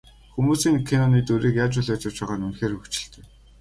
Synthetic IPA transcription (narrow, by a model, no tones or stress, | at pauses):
xumuːsiːŋkʰenɔniːt̪ɵɾiːkjaːt͡ɕʊːɮat͡ɕʊ̆w̥t͡ɕpaːʁaːnɵnxeːrɵkt͡ɕɪ̆ɬt̪e̥ː